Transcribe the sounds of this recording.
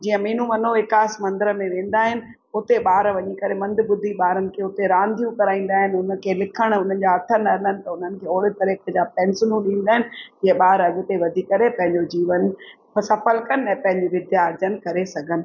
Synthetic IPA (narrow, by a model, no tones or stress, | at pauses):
d͡ʑiːə̃miːn̤ũmɐn̤oɪkaːsmɐ̃nd̪əɾəmẽʋẽːn̆d̪aːɦɪnɪ̆ | ʊt̪eɓaːɾʋɐɲikɐɾemɐ̃nd̪ʱɪbʊd̪ʱiɓaːɾənɪ̆kʰeːʊt̪eɾãːnd̪ʱijũkɐɾaːĩːn̆d̪aːɦɪnɪʊnəkʰeːlɪkʰəɽ̃ʊn̤ənɪ̆d͡ʑaɐʈ̪ʰənɐɪlənɪ̆t̪ɐʊn̤ənɪ̆kʰeːoːɽɪt̪ɐɾekəd͡ʑaːpɛ̃ːnsɪlũɗĩːnd̪aːɦɪnɪ̆d͡ʑiːə̃ɓaːɾɐɡʊ̆t̪eʋɐd̪ʱikɐɾepɐ̃ɦɪ̃ɲd͡ʑod͡ʑiːʋən | psɐfəlkənɛ̃ːpɐ̃ɦɪ̃ɲd͡ʑiʋɪd̪ʱjaːɾd͡ʑənkɐɾesɐɡʱənɪ̆